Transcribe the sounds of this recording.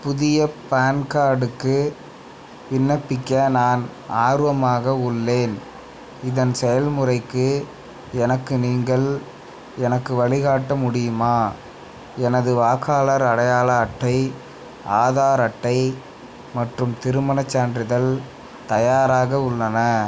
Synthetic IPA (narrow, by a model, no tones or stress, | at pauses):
pʊðɪjɐpɐːɐnkaːɽɯkːɯ | ʋɪnːɐpːɪkːɐnaːn | aːɾɯʋɐmaːɣɐʊɭːeːn | ɪðɐnsɛjɐlmʊrɐɪkːɯ | ɛnɐkːɯniːŋɡɐɭ | ɛnɐkːɯʋɐɭɪɣaːʈːɐmʊɽɪjɯmaː | ɛnɐðɯʋaːkaːlɐɾɐɽɐjaːlɐːʈːɐɪ | ʔaːðaːɾɐʈːɐɪ | mɐʈrɯmt̪ɪɾɯmɐnɐt͡ʃːaːndrɪðɐl | t̪ɐjaːɾaːɣɐʊɭːɐnɐ